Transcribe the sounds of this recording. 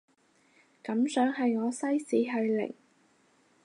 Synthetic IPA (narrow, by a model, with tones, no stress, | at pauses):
kɐ˨˥msœː˨˥ŋɦɐ˨jŋɔː˨˧sɐ˥jsiː˨˥ɦɵ˧ɥlɪ̰˨˩ŋ